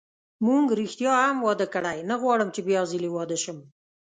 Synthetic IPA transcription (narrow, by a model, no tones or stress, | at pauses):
muŋɡɾixt̪jɑamwɑd̪əkəɽajnaɣwɑɽəmt͡ʃebjɑziliwɑd̪əʃəm